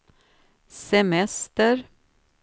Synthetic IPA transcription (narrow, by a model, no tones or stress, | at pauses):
sɛmɛst̪əɾ